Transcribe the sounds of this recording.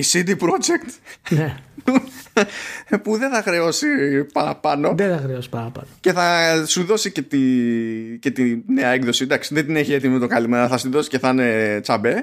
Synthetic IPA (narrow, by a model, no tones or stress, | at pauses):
isid̪ipɾo̞d͡ʒekt̪ne | puðe̞θɐxɾe̞o̞sipɐɾɐpɐno̞ðeθɐxɾeosi̥pɐɾɐpɐ̰noce̞θɐsuðo̞sicet̪i | ce̞t̪ine̞ɐeɡðo̞sid̪ɐksiðed̪ineçie̞t̪imimet̪o̞kɐlimeɾɐθɐsuðo̞si̥ce̞θɐne̞t͡sɐbe̞